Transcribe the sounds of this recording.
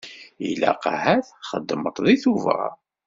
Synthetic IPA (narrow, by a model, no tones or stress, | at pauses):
ḭlæ̰qahæθχəd̪ːəmət̪ˤðiθuvæ̰